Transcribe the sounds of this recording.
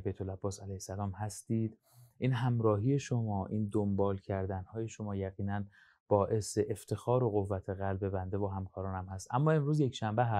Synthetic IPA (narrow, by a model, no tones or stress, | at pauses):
bejt̪ʰolæbːɒːsælæjhsælɒːmhæst̪iːd̪̥ | ʔiːnɦæmɾɒːɦiːjeʃomɒːʔiːnd̪ombɒːlcʰæɾd̪ænhɒːje̞ʃomɒːjæɣiːnæn | b̥ɒːʔe̞seʔeft̪ʰe̞xɒːɾoɣovːæt̪ʰe̞ɣælbe̞bænd̪evoɦæmkʰɒːɾɒːnæmhæst̪ʔæmːɒːe̞mɾuːzje̞cʃæmbeɦæ